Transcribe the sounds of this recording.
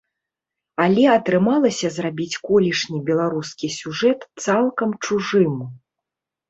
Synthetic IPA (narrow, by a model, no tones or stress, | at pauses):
alʲɛɐt̪ɾɨmalˠɐsʲɐzrabʲit͡sʲkɔlʲiʂnʲibʲɛlˠaɾuskʲisʲuʐɛt̪t̪salˠkɐmt͡ʂuʐɨmu